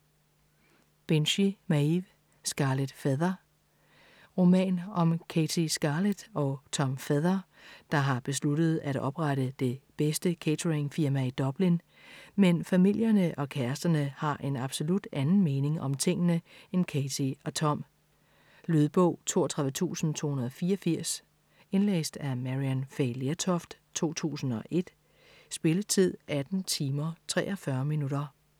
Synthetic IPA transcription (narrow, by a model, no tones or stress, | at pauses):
b̥enɕimæiʋ | sɡ̥ɑ̈led̥feðˠɐ | ʁo̝mɛ̰ːnɒ̽mkʰet͡sʰisɡ̥ɑ̈ːled̥ɒ̽t͡sʰɒ̽mfeðˠɐ | d̥ɑ̈ɦɑ̈b̥e̝s̬lud̥ð̞̩ˠæɾ̥ɒ̽b̥ʁaɾəd̥e̝b̥esd̥əkʰet͡sʰʁeŋfiɐmæid̥ɒ̽b̥lin | menfæmil̰jɐnəʔɒ̽kʰæɐsd̥ɐnəhɑ̈ʔe̝nɑ̈b̥so̝lud̥ænn̩me̝ːne̝ŋɒ̽mt͡sʰe̝ŋ̰nəenkʰet͡sʰiɒ̽t͡sʰɒ̽m̰ | lyðˠb̥ɔʊ̰t͡sʰo̝̰ːɐt͡sʰʁäʋət͡sʰṵːsn̩t͡sʰo̝̰ːhunɐðˠɒfiːɐɒfiɐ̰s | e̝nlḛːsd̥æmæʁiænfeɪleɐt͡sʰɒfd̥ | t͡sʰo̝̰ːt͡sʰṵːsn̩ɒ̽ʔe̝d̥ | sb̥e̝lət͡sʰið̞̰ˠʔæd̥n̩t͡sʰiːmɐt͡sʰʁɛ̰ːʔɒ̽fɶɐminuɾɐ